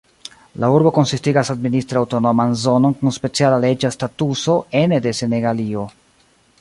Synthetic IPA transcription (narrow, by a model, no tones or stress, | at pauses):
lauɾbo̞ko̞nsistiɡasadministɾawto̞no̞manzo̞no̞nkunspe̞t͡sialale̞d͡ʒastatuso̞e̞nede̞se̞ne̞ɡalio̞